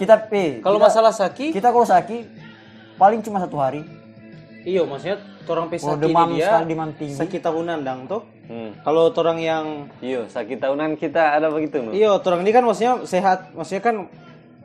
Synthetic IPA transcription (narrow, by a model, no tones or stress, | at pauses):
kit̪aikalomasalahsakikit̪akasaki | palɪŋt͡ʃumasat̪uɦaɾi | ijomasuɲa | t̪oɾaŋpesadəimamaalidimamt̪iŋsakit̪aɦunandaŋt̪ʊh | kalot̪oɾaŋjaŋijosakit̪aɦunankit̪aːdabəɡit̪unijat̪oɾaŋdikanwasɲaseɦat̪̚wasuɲakan